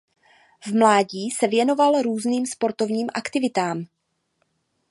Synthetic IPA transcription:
vmlaːɟiːsɛvjɛno̞valɾuːzniːmspo̞ɾt̪o̞vɲiːmʔakt̪ɪvɪt̪aːm

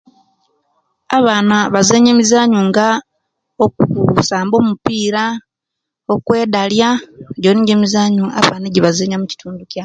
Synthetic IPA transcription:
aβaːnaβazeːɲeːmizaːɲuŋɡa | okuusaːmbo̞ːmupiːɾa | o̞kwe̞ːdaljaɟoniɲɟemizaːɲua̰βaːneɟiβazeːɲamuci̥tuːnduca

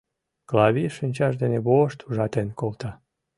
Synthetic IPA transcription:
klɑβʲiʃɨnʲt͡ɕɑʃd̪eneβoʃt̪uʒɑt̪enkolt̪ɑ

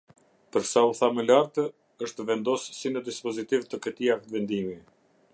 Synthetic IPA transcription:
pəɾsauθaməlaɾt̪ə | əʃt̪əvɛnd̪ɔssinəd̪ispɔzit̪ivt̪əkət̪iak̚t̪vɛnd̪imi

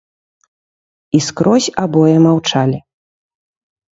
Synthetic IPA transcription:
iskɾɔsʲabɔjɛmawt͡ʂalʲi

